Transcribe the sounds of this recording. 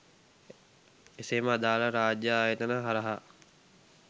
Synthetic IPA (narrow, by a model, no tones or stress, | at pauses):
eseːməːd̪aːləɾaːd͡ʒjaaːjet̪ənəɦɐɾɐɦa